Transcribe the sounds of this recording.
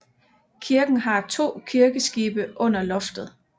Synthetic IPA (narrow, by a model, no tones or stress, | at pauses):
kʰiɐɡ̥n̩ɦɑ̈t͡sʰo̝̰ːkʰiɐɡ̥əsɡ̥iːb̥əʔɔ̽n̰ɐlɔ̽fd̥ð̞̩ˠ